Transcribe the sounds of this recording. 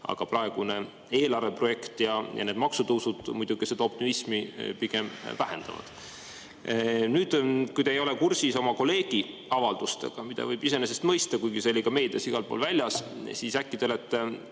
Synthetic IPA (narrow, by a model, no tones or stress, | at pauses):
ʔɑ̰ɡ̥ɑprɑe̞ɡ̥une̞ | e̞ːlɑrve̞pro̞je̞kt̪jɑjɑ̰ne̞ːd̪mɑksut̪ɤwsud̪̥mujd̪̥uɡ̥esed̪ɑo̞p̚t̪imismipiɡ̥e̞mvæhe̞nd̪̥ɑ̰vɑ̰d̪̥ | nyːd̪̥kujd̪̥ɑejo̞lekursiso̞mɑko̞le̞ːɡ̥i | ɑvɑld̪̥ust̪e̞̰ɡ̥ɑmid̪̥ɑ̰vɤjb̥ise̞nesest̪mɤjst̪ɑkujɡ̥iselʲːiɡ̥ɑme̞ːd̪̥ɑsiɡ̥ɑlpo̰ːlvælʲjɑssisækːid̪̥e̞let̪ːe